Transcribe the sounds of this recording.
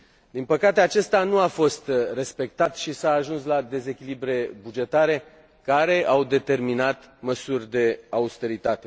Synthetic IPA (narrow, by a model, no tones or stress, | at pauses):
d̪inpəkat̪e̞at͡ʃe̞st̪anuafo̞st̪re̞spe̞k̚t̪at̪ʃisaːʒunslad̪e̞ze̞kʲilibɾe̞bud͡ʒe̞t̪aɾe̞ | kaɾe̞awd̪e̞t̪e̞rminat̪məsurʲd̪e̞aust̪e̞ɾit̪at̪e̞